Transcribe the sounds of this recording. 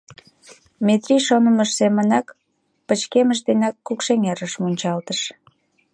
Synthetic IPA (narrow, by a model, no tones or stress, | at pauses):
met̪riʃonəməʃsemənɑk | pət͡ɕkeməʃ̬d̪enɑkːukʃeŋeɾəʃmunʲt͡ɕɑlt̪əʃ